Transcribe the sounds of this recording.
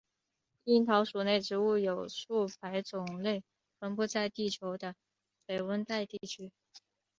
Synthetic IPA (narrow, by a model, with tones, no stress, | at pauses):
i˥nt̪ʰɑ˧˥ʊʂu˨˩ne˥˩ɪʈ͡ʂɻ̩˧˥u˥˩jo˨˩ʊʂu˥˩pʰa˧˥ɪt͡sʊ˨˩ŋle˥˩ɪ | ʈ͡ʂʰwə˧˥npɔ˧˥t͡sa˥˧ɪt̪i˥˩t͡ɕʰjo˧˥ʊd̪ə˧ | pe˨˩ɪwə˥nt̪a˥˧ɪt̪i˥˩t͡ɕʰy˥